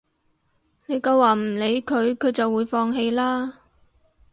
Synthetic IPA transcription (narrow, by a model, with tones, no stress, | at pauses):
ne˨˧jkɐ˧waː˨m̩˨˩le˨˧˥jkʰɵ˨˧ɥkʰɵ˨˧ɥt͡sɐ˨wːuː˨˧jfɔː˧ŋɦe˧jlaː˥